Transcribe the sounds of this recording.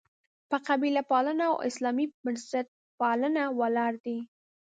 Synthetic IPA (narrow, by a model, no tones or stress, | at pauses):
pəqabilapɑləna̰ːwʔɪ̰slɑmibaɾsat̪̚pɑlənawalɑɾd̪i